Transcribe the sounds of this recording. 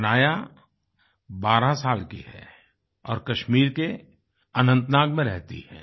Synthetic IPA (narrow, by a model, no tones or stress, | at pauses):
naːja | baːɾasaːlkḭɦɛː | ɔːɾkɐʃmiːɾke | ɐnə̃nt̪naːɡmẽɾɛɦt̪ḭhɛ̰̃ː